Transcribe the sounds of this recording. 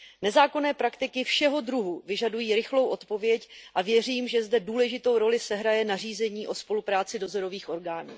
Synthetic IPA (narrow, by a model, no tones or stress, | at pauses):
nɛzaːko̞nɛːpɾakt̪ɪkɪfʃɛɦo̞dɾuɦuvɪʒadujiːɾɪxlo̞wʔo̞t̪po̞vjɛcʔavjɛriːmʒɛzdɛduːlɛʒɪt̪o̞wɾo̞lɪsɛɦɾajɛnar̝iːzɛɲiːʔo̞spo̞lupɾaːt͡sɪdo̞zo̞ɾo̞viːxʔo̞ɾɡaːnṵː